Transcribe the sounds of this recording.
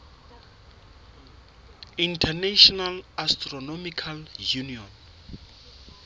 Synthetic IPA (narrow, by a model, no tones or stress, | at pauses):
ĩntʰɛnaʃɔnalastrɔnɔmikʰaljuniɔn